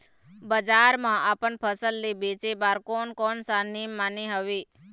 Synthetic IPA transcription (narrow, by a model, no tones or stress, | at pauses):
bəd͡ʒaɾmãʔapəɳpʰəsəlːibet͡ʃebaɾkonkɔnsanimːaniɦəʋi